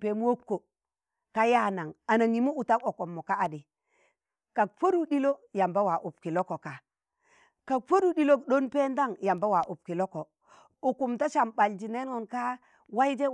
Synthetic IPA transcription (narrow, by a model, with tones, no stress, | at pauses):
pe˨m˦wo˦kːo˨ | ka˦ja˦na˨ŋa˨na˨ŋi˨mu˦u˨ta˦ko˨ko˨mːo˨ka˦a˨di˨ | ka˨k̚fo˦du˦di˦lo˦ja˨mba˦wa˨ʔu˨pki˨lo˦ko˨ka˨ | ka˨k̚fo˦du˦˨di˦lo˦kɗo˦npe˦nda˦ŋja˨mba˦wa˨ʔu˨p̚ki˨lo˦ko˨ | u˨ku˨mta˦ʃa˨mba˨ld͡ʒi˨ne˦no˨nka˦ | wa˦i˦d͡ʒe˦